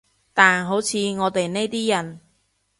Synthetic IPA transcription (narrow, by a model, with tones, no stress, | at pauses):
t̪aː˨nɦo˨˥wt͡sʰiː˨˧ŋɔː˨˧t̪e˨jne˥jt̪iː˥jɐ˨˩n